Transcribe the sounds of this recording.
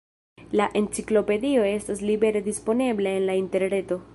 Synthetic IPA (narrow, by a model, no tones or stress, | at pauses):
laʔe̞nt͡siklo̞pe̞dio̞e̞staslibe̞ɾe̞dispo̞ne̞bleenlainte̞ɾne̞to̞